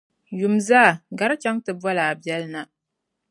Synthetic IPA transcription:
ju˨mzaː˦˨ɡa˦ɾt͡ʃa˦ŋtɨ˨bwɔ˦laː˨bɛ˦lna˨

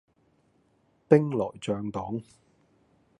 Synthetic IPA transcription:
t̪ɪ˥ŋlɔː˨˩jt͡sœː˨˧ŋt̪ɔː˨˥ŋ

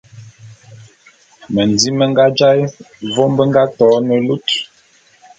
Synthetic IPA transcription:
mə˨ndi˦mə˦ŋɡa˦d͡ʒa˦j | vɔ˦mbə˦ŋ˦ɡa˦tɔː˨˦nə˨lu˦t

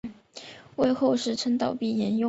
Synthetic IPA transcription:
we˥˧ɪxo˥˧ʊʂɻ̩˥˩ʈ͡ʂʰə˥ŋt̪ɑ˨˩ʊpi˥˩jɛ˧˥njʊ˥˧

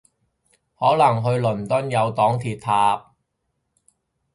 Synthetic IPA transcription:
hɔː˨˥lɐ˨˩ŋɦɵ˧ɥlɵ˨˩nt̪ɵ˥njɐ˨˧wt̪ɔː˨˥ŋt̪ʰiː˧t̪̚ʰaː˧p̚

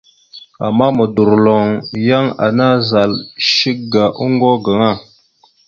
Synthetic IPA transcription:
a̰˨mːa˦mə˨du˨ɾlo˨ŋja˦ŋa̰˨na˦za˨lʃi˦k̚ɡa˨ʔu˦ŋɡo˦ɡə˨ŋa˦˨

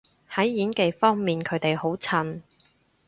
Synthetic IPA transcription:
hɐ˨˥jːiː˨˥nke˨˧jfɔː˥ŋmiː˨nkʰɵ˨˧˥t̪e˨jho˨˥wt͡sʰɐ˧˩n

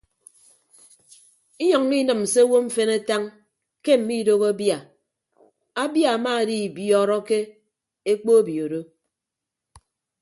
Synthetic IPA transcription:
i˦ɲɔ˨ŋ̩˦mi˦nɨ˨m̩˨se˦wo˦ɱ̩˦fe˦ne˦ta˦ŋ | ke˦m̩˨mi˦do˦ɣa˦bja˨ | a˦bja˨a˨maː˦˨di˦˨bjɔ˦ɾɔ˦ke˦ | e˦k͡po˦e˦bjo˨ɾo˦

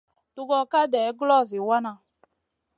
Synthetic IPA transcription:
tu˦ɡɔ˦ka˦dɛ˨˦ɡlɔ˦˨zi˨wa˦na˨

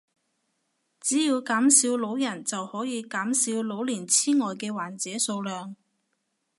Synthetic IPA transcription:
t͡siː˨˥jiː˧wkaː˨˥msi˨˧˥wlo˨˥wjɐ˨˩nt͡sɐ˨whɔː˨˥jiː˨˧kaː˨˥msiː˨˧wlo˨˥wliː˨˩nt͡sʰiː˥ŋɔː˨jkɛː˧waː˨˩nt͡sɛː˨˥so˧wlœː˨ŋ

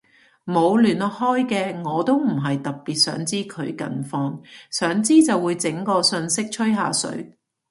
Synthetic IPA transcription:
mo˨˧wlyː˨˩nɔ˨˧hɔː˥jkɛː˧ŋɔː˨˧t̪o˥wm̩˨˩ɦɐ˨jt̪ɐ˨˩k̚piː˨t̚sœ̰ː˨˥ŋt͡siː˥kʰɵ˨˧ɥkɐ̰˧˩nfɔː˧ŋsœː˨˥ŋt͡siː˥t͡sɐ˨wuː˨˧jt͡sɪ˨˥ŋkɔː˧sɵ˧nsɪ˥k̚t͡ʃʰɵ˥ɥɦa̰ː˨˧sɵ̰˨˥ɥ

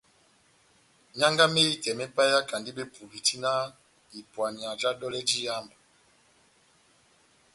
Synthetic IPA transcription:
ɲa˦ŋɡa˦me˦i˦kɛ˨mɛ˦pa˦ja˦ka˨ndi˦be˦pu˨bi˨ti˦na˦ | i˨pwa˨ni˨a˨d͡ʒa˦ɗɔ˦lɛ˦d͡ʒi˦ja˦mba˨

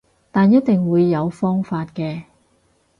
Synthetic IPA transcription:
t̪aː˨njɐ˥t̚t̪ɪ˨ŋwuː˨˧jːɐ˨˧wfɔː˥ŋfaː˧t̚kɛː˧

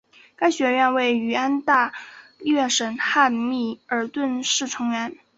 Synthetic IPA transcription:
ka˥ɪɕɥɛ˧˥ɥɛ˥˧nwe˥˩ɪy˨˩a˥nt̪a˥˩˥ɥɛ˥˩ʂə˧˥nxa˥˧nmi˥˩ə˞˨˥t̪wə˥˧nʂɻ̩˥˩ʈ͡ʂʰɤ˧˥ŋɥɛ˧˥n

